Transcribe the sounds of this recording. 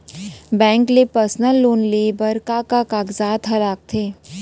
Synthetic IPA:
bɛ̃ːŋklepəɾsnəlːoːnleːbəɾkakakaːɡzaːd̪ɦɐlaːk̚t̪ʰeː

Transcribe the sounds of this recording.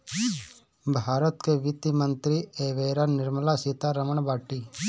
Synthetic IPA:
bʱaːɾət̪keʋɪt̪imənt̪ɾieːʋeːɾanɪɾməlasit̪aɾəməɳ̃baːʈiː

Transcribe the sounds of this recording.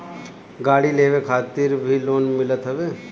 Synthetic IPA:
ɡaːɽileːʋekʰaːt̪ɪɾbʱiloːnmɪlət̪ɦəʋeː

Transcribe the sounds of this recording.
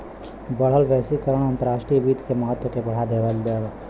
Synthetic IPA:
bəɽ̤əlʋɛːsikəɾəɽ̃ɐ̃nt̪əɾaːʃʈɾijəʋiːd̪keməɦət̪ːwəkebɐɽ̤ad̪eːʋəlbe

